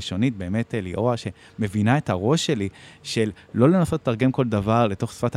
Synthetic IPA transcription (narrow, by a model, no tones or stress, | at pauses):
iʃo̞nit̚be̞ːme̞teliʔoaʃe̞ | me̞vinae̞taʁo̞ʃːe̞liʃe̞lːo̞le̞naso̞ttːaʁɡe̞mko̞ldavaʁle̞to̞χsfat